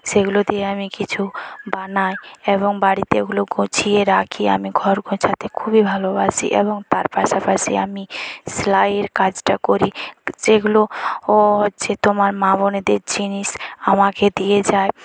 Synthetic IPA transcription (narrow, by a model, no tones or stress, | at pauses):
seɡulod̪ieamikit͡ɕʰubanaeeβoŋbaɽit̪eeɡuloɡõt͡ɕʰieɾakʰia̰miɡʱɔɾɡõt͡ʃʰat̪ʰekʰubibʱalobaʃḭʔḛβoŋt̪aɾpaʃapaʃḛamislaeɾkad͡ʑʈakoɾid͡ʒeɡulo | ɦotːset̪omaɾmaβoned̪eɾd͡ʑiniʃamaked̪ijed͡ʑae